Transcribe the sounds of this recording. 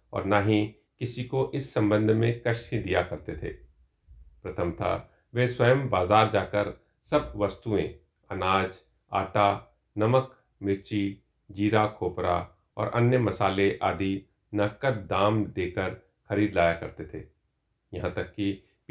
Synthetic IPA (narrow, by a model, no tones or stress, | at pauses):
ɔ̰ːɾnaːɦi | kɪsikoʔɪsːɐ̃mbə̃nd̪ʱmẽkɐʃed̪ijakɐɾt̪et̪ʰḛː | pɾɐt̪ʰəmt̪ʰa̰ | ʋeːswɐəjəmbaːzaːɾd͡ʒaːkəɾ | sɐbʋɐst̪uḛ̃ | ɐnaːd͡ʒ | a̰ːʈa | nɐmək | mɪɾt͡ʃi | d͡ʒiːɾakʰoːpɾa̰ | ɔ̰ːɾʔɐ̰njəmɐsaːleʔa̰ːd̪i | nɐkət̪d̪aːmd̪eːkəɾ | xɐɾiːd̪laːjakɐɾt̪et̪ʰḛː | jɐɦãt̪ɐkːi